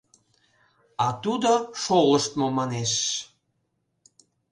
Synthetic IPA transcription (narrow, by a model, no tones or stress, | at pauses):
ɑt̪ud̪oʃoləʃt̪momɑneʃ